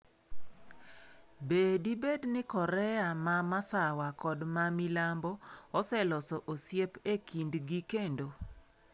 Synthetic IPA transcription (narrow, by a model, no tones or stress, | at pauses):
bedibednɪkɔɾɛamamasawakɔdmamɪlambɔɔsɛlɔsɔʔosjepekindɡikendo